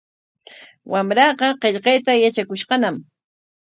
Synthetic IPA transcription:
wamɾɑqɑqeʎqɑjt̪ajat͡ʃakʊʃqɑnam

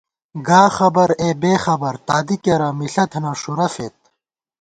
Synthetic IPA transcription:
ɡaːxɐbɐɾeːbeːxɐbɐɾt̪aːd̪ikeɾɐmiɬɐt̪ʰnɐʂuɾɐfeːt̪̚

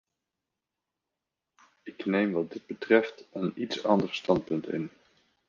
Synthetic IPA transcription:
ɪknejmʋɑd̚dɪd̚bətrɛftənitsɑ̰ndərstɑnt̚pɵntɪ̰n

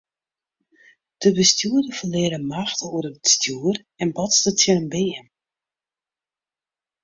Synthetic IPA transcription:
d̥əbəstjuədəfəlɪəɾəmaxtəuəɾədəstjuər | ɛnbɔtstətʰjərəmbɪːən

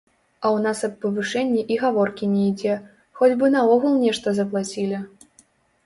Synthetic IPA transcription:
ɐwnasɐpːɐvɨʂɛnʲːiʔiɣavɔrkʲinʲɛid͡zʲɛ | xɔd͡zʲbɨnɐɔɣulˠnʲɛʂt̪ɐzɐp̬lˠat͡sʲilʲɐ

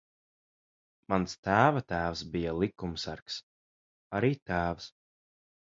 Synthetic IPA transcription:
manst̪æːvat̪æːvsbijalˠikumsaɾks | aɾiːt̪æːvs

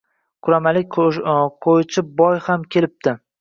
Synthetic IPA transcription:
qʰʊɾamalɪk̚ʲqʰojt͡ʃʰɪp̚bɒjhamkʲʰe̞lɪp̚t̪ɪ

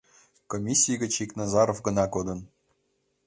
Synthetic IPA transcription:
komʲisʲːijɡʲɘ̆t͡ɕiknɑzɑɾofɡɤ̆nɑkod̪ɤ̆n

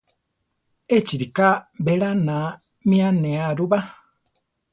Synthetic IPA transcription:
et͡ʃiɾikaβeɾana | mianeaɾuβa

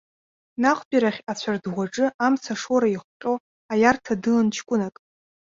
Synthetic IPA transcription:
naχʷbʲʼiɾaχʲat͡ɕʷʰardʁʷwʷaʈ͡ʂʼɨamt͡sʰaʂoɾaiχʷqʲʼo̞ | ajartʰadɨlant͡ʃʰkʷʼʊnakʼ

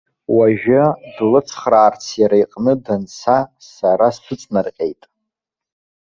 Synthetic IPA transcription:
waʒᶣadlɨt͡sʰχraːrt͡sʰjaɾajqʼnɨdant͡sʰasaɾaspʷʰɨt͡sʼnarqʲʼejtʼ

